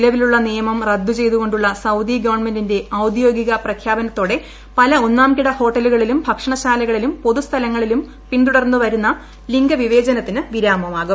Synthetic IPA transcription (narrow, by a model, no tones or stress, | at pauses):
lɐʋiluɭːɐnijɐmɐmrɐd̪ːut͡ɕe̞jt̪uɣo̞ɳɖuɭːɐsɐwd̪iɡɐʋɐrɳme̞ndinde̞ɐwd̪jo̞ːɡiɣɐprɐkʰjaːbɐnɐt̪ːo̞ːɽe̞ | pɐlɐo̞nːaːmkiɽɐho̞ːʈːɐluɣɐɭilumbʱɐkʂɐɳɐɕaːlɐɣɐɭilumpo̞ðust̪ʰɐlɐŋːɐɭilum | pint̪uɽɐrnːuʋɐɾunːɐ | liŋɡɐʋiʋe̞ːd͡ʑɐnɐt̪ːinɨʋiɾaːmɐmaːɣu